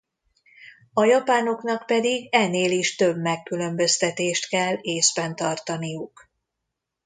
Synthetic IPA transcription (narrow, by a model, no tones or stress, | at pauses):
ɒjɒpaːno̞kn̪ɒkpɛd̪iɡɛneːliʃt̪ø̞bmɛkːylø̞mbø̞st̪ɛt̪eːʃt̪kɛlːeːzbɛnt̪ɒrt̪ɒnijuk